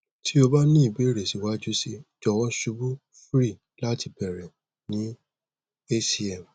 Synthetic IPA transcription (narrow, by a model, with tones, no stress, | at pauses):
tʰi˦o˧ba˦nĩ˦i˦˨be˨˦˨ɾe˨si˨wa˨˦d͡ʒu˦si˧d͡ʒɔ˧˨wɔ̃˦ʃu˧˦bu˦ | fɾi˦˨ | la˦ti˧pɛ˨ɾɛ˨ | nĩ˨˦ | e˦si˧ɛ˨m˨